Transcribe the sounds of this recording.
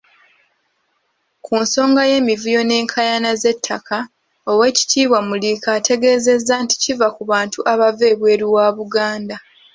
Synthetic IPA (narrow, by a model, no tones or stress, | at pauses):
kunso̞ːŋɡaje̞ːmivujo̞ne̞ːŋkʰajanaze̞tʰːakʰa | o̞we̞ːci̥tʰiːβwamulikaːtʰe̞ɡe̞ːze̞zːanti̥civakuβaːntʰuʔaβave̞ːβwe̞ːɾiwaːβuɡaːnda